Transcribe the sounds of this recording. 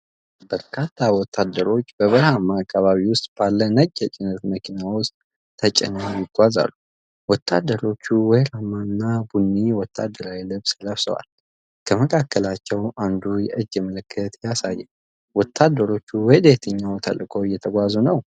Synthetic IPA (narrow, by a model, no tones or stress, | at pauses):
b̥əɾkʰat̪ʰːawɔt̪ʰːad̪əɾo̞t͡ʃːb̥əβəɾhamːakʰːaβaβiwʊst̪ʼb̥alːənəɡʼːɛt͡ʃʼɪnət̪məkʰinawʊst̪ʼ | t̪ʰːət͡ʃʼɪ̰nəjɪɡʷaza̰lːu | wɔt̪ʰːa̰d̪ːəɾo̞t͡ʃːuwɔjɾamanːabunːiwɔt̪ʰːa̰d̪ːəɾawilɨβsləβsə̰wa̰l | kʰəməkʰakʰːəlat͡ʃːɛwand̪ujɛʔɨd͡ʒːɛmələkʰːət̪jasajːɛ | wɔt̪ʰːad̪ːəɾo̞t͡ʃːuwɔjd̪et̪ʰəɲːawt̪ʰə̰lkʼʰo̞jɛt̪ʰəɡʷazunəw